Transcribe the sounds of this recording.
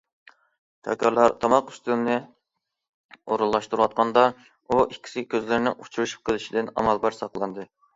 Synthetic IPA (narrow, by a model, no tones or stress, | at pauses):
t̪ʰɛ̰kʲʰɑɾlˠɑɾt̪ʰɑmɑqy̥st̪ymnɨ | oɾulˠːɑʃt̪uɾuwɑt̪̚qɑnd̪ɑ | uʔikʲʰːi̥sɪkʲʰøzlɪɾnɪ̰ŋut͡ʃʰuɾuʃu̥p̚qʰəlˠɪʃid̪ɪnɑ̰mɑlˠbɑɾsɑqlˠɑnd̪ɨ